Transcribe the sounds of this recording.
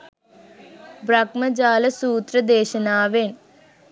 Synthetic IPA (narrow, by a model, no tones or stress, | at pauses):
bɾɐɡmɐd͡ʑaːlɐsuːt̪ɾɐd̪eːʃɐnaːʋeːn